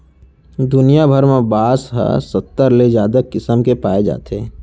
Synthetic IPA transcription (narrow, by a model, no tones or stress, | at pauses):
d̪ʊnijabʱəɾmẽbaːsɦə̰sət̪ːəɾled͡ʒaːd̪əkɪsəmkepaːed͡ʒa̰ːt̪eː